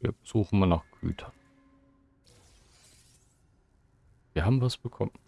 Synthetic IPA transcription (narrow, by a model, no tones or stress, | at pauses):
viɐz̥uːχn̩manaːχɡ̥y̰ːtʰɐ̥n | viːɐɦaːbm̩vasb̥əkʰɔmən